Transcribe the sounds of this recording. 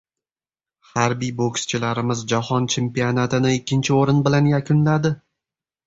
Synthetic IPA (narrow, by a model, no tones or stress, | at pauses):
haɾbijbokst͡ʃʰɪlaɾɪmɪzd͡ʒahɒnt͡ʃʰe̞mpijonat̪ʰɪnɪɪkʲʰːɪnt͡ʃʰɪoɾɪnbɪlanjakʲʰʊnlad̪ɪ